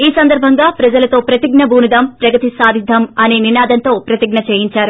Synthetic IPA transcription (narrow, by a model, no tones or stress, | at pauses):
iːsɐnd̪ɐɾbʱɐŋɡaːpɾɐd͡ʒɐlɐt̪o̞ːpɾɐt̪iɡnɐbʱuːnid̪ɐmpɾɐɡɐt̪isaːd̪ʱid̪ʱɐmɐneːninaːd̪ɐnt̪o̞ːpɾɐt̪iɡnɐt͡ʃeːjiɲt͡ʃaːɾu